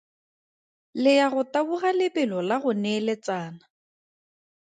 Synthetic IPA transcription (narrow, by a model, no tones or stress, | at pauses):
lɪjaɣʊtabuɣalɪpʼɪlɔlaɣʊnɛlɛt͡saːna